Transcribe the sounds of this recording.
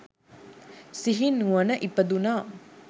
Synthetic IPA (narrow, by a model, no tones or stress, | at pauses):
siɦinːuʋənəʔipəd̪unaː